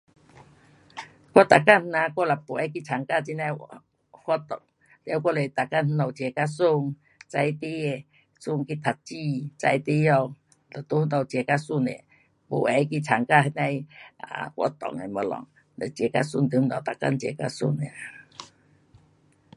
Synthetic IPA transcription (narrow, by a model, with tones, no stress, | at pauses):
kʷa˦t̪a˨ka˦˧˨nhnã˧kwa˧˦˨la˨po˨ɛ˨˦k̬i˧t͡sʰa˨˩ŋka˧˨t͡ɕi˧˦na˧˨j | hwa˧˦t̪ɔ̰˨ŋ | le˧˨a˧˦kʷɔ˧le˨t̪a˨ka˧˨nn̩˧nɔ˨wt͡ɕe˨˩ka˧su˧˨ŋ | t͡sa˧jt̪e˦e˨ | su˧˨ŋki˧t̪ʰa˨t̚t͡ɕi˧˨t͡sa˧jt̪e˦jɔ˧ | la˨t̪o˧˦hnɔ˧˩t͡ɕje˨˩ka˧su˧˨nḛ˨ | po̰˨˩ɛ˨˧˦jki˧t͡sʰa˨˩ŋka˧ɦe˧nã˧ja̰˨kwɔ̰˧˦t̪ɔ̰˨ŋḛ˨mɔ˨˦lɔ̰˨ŋ | le˨t͡ɕje˨˩ka̰˧su˧˨nt̪ɨ˧˦m˧nɔ˨t̪a˨ka̰˧˨nt͡ɕje˨˩ka̰˧sṵ˧˩˨ne˨